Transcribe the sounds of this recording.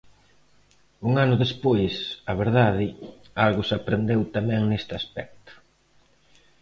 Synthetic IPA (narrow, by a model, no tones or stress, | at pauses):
uŋanʊðespojsɐβeɾðað̞ɪ | alɣʊsapɾend̪ewt̪amɛŋnest̪ɪaspɛk̚t̪ʊ̥